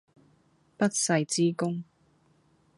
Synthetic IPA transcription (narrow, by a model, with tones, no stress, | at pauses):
pɐ˥t̚sɐ˧jt͡siː˥kʊ˥ŋ